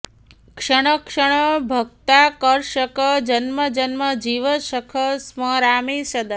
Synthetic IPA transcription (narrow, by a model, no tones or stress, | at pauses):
kʂəɽ̃əkʂəɽ̃əbʱəɡ̚t̪akəɾʃəkəd͡ʒənməd͡ʒənməd͡ʒiʋəʃəkʰəsməɾamiʃəd̪a